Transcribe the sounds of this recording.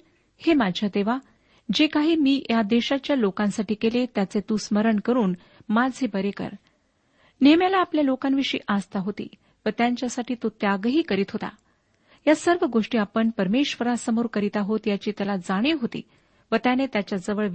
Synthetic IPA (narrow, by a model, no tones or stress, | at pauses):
hemad͡ʑʱjad̪eʋa | d͡ʑekaɦiːmiːjad̪eɕat͡ɕjalokãnsaʈiːkelet̪jat͡set̪ũsməɾəɳkəɾuːn | mad͡zʱɦebəɾekə̰ɾ | nemjalaːpljalokãnʋiʂḭːʔast̪aɦot̪ḭː | ʋət̪jaɲt͡ɕjasaʈiːt̪ut̪jaɡəɦiːkəɾiːt̪ɦot̪a̰ | jasəɾʋəɡoʂʈiːapəɳpəɾmeɕʋəɾasəmoɾkəɾit̪aɦot̪jat͡ɕiːt̪jalad͡zaɽ̃iɦot̪ḭː | ʋət̪janet̪jat͡ɕjad͡zəʋəɭ